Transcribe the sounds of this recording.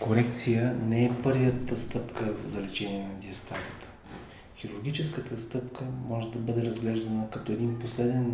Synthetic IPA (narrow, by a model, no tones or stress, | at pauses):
koɾɛkt̪sijənɛɛpɤɾvət̪əst̪ɤpkəvzɐlɛt͡ʃɛniɛnɐd̪iɐst̪asə̥t̪ə̥ | xʲiɾuɾɡ̟it͡ʃɛskət̪əst̪ɤpkʰəmɔʒɛd̪ɐbɤd̪ɛɾɐzɡlɛʒd̪ɐnəkɐt̪ɔɛd̪inposlɛd̪ɛn